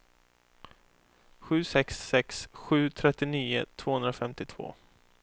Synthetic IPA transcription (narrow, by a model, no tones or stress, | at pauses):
ɧʉ̟ːsɛksːɛksɧʉ̟ːt̪ʰɾɛt̪ːɪniːʊ̰t̪ʰv̥oːhɵnɾafɛmt̪ɪt̪ʰv̥o̰ː